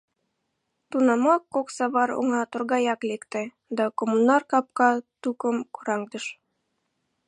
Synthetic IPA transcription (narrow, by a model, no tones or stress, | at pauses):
t̪unɑmɑkːoksɑβɑɾṵɴɑt̪ŏɾɡɑjɑklʲikt̪ɘ | d̪ɑkomunɑrkɑp̚kɑt̪ukɤmkuɾɑŋd̪ɤ̆ʃ